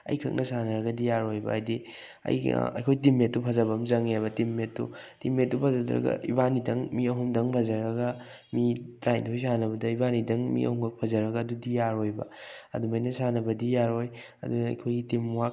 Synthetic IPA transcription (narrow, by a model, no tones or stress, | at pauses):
ɐ̰jkʰɐ̰k̚nʔɐsanɐɾɐɡɐdijaɾojbɐ̰ːjdi | ɐ̰j̰ɐ̰jkʰojtimːetːupʰɐzɐbɐmzɐŋebɐtimːetːṵtimːet̚tupʰɐzɐdɾɐ̰ɡɐ̰ʔḭbanidɐŋmiɐɦumdɐŋpʰɐzɐɾɐɡɐ | mitɾajntʰojsanɐbɐdɐibanidɐŋmḭʔɐ̰huŋkʰɐk̚pʰɐzɐɾɐɡɐːdudijaɾojbɐ̰ɐ̰dumɐjnɐsanɐbɐdijaɾoj | ɐ̰dunɐ̰ːjkʰojɡitimwak